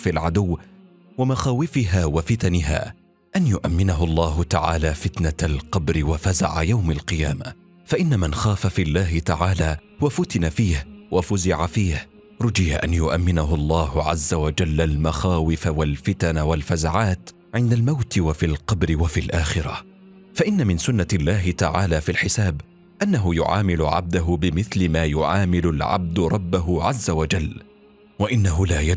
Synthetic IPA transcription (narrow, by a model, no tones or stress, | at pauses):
filʕad̪ʊwː | wamaxaːwɪfɪɦaːwafɪt̪anɪɦa̰ː | ʔanjʊʔamːɪnaɦʊlˤːɑːɦʊt̪aʕa̰ːlaːfɪt̪naalqɑbɾɪwafaza̰ʕa̰jawmalqɨjaːma̰ | faʔɪnːamanxaːfafiːlːaːɦɪt̪aʕaːlaː | wafʊt̪ɪnafiːhwafʊzɪʕafiːh | ɾˤʊd͡ʒɪjaʔa̰njʊʔamːɪnaɦʊlˤːɑːhʊʕa̰zːawad͡ʒalːalmaxaːwɪfawalfɪt̪anawalfazaʕaːt̪ | ʕɪnd̪almawt̪ɪwafiːlqɑbɾɪwafiːlʔaːxɪɾa̰ | faʔɪnːamɪnsʊnːalːaːɦɪt̪aʕaːlaːfilħɪsaːb | ʔanːaɦʊjʊ̰ʕa̰ːmɪlʊʕa̰b̚d̪aɦʊbɪmɪθlɪmaːjʊʕaːmɪlʊlʕa̰b̚d̪ʊɾˤɑbːaɦʊʕazːawad͡ʒalː | waʔɪnːaɦʊlaːja